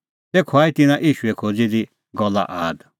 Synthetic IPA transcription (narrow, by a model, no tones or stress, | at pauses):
t̪ekʰoaːit̪ɪnãʔiːʃuɛkʰoːd͡zid̪i | ɡɔlːa̰ʔaːd̪